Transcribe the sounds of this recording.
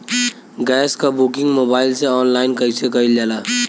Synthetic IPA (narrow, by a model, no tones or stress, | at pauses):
ɡɛːskabukɪ̃ŋɡmoːbaːɪlseɔːnlaːɪnkəisekɐild͡ʒaːlaː